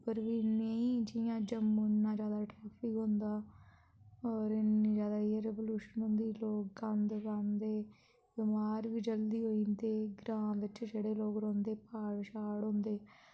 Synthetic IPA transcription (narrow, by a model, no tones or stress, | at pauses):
pəɾʋiːneːĩːd͡ʒɪjãːd͡ʒəmonːãːd͡ʒjaːd̪aːʈɾaːpʰɪkɦõːnd̪aː | ɔːɾɪniːd͡ʒjaːd̪aːieɾeːʋoːluːʃənʊ̃nd̪iːloːk̚ɡãnd̪bãnd̪eː | bɪmaːɾʋiːd͡ʒəld̪iːɦoːind̪eːɡɾãːʋɪt͡ʃd͡ʒeːɽeːloːkɾõːnd̪eːpaːɽʃaːɽɦõːnd̪eː